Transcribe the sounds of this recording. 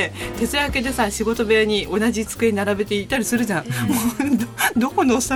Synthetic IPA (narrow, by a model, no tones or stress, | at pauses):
et̪e̞t͡sɨjake̞d̪e̞sãɕiɡo̞t̪o̞be̞ɲ̟iʔo̞naʑit͡sɨ̥kɯeinaɾabe̞t̪e̞it̪ːaɾʲisɨɾɯ̟ʑãmo | d̪o̞ko̞noːsa